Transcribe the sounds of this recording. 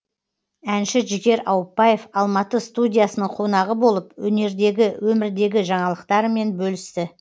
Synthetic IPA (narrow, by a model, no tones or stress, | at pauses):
ænʃɪʒɪɡʲe̞ɾɑwpːɑje̞fɑlˠmɑt̪əst̪udʲijasənəɴqʰo̞nɑʁəbo̞lˠəpwɵne̞ɾd̪e̞ɡʲɪwʔɵmɪɾd̪e̞ɡʲɪʒɑɴɑlˠəqt̪ɑɾəme̞nbɵlɪst̪ɪ